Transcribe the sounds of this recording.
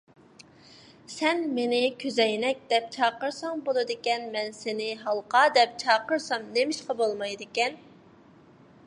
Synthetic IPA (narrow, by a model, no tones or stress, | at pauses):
sɛnmenɪkʲʰøzɛjnɛk̚ʲd̪ɛp̚t͡ʃʰɑːqəɾsɑŋbolˠɨd̪ɪkʲɛnmɛnsenɪɦɑlˠqɑːd̪ɛp̚t͡ʃʰɑːqəɾsɑmnemɪʃqɑbolˠmɑjd̪ɪkʲɛn